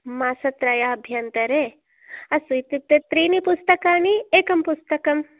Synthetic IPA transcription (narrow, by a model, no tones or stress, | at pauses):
maːsɐt̪ɾɐjaɐbʱjɐnt̪ɐɾeː | ɐsujt̪it̪ːet̪ɾiːnipust̪ɐkaːnieːkɐmpust̪ɐkɐm